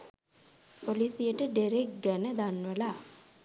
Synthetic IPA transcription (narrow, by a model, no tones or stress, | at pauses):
polisijəʈəɖeɾek̚ɡænəd̪anʋəla